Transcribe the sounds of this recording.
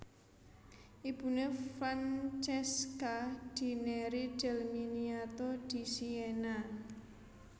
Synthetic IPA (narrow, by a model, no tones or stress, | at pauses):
ʔib̥ṳnefɾant͡ʃɛskaɖ̥i̤neɾid̥ɛ̤lminiat̪ɔd̪̥i̤siena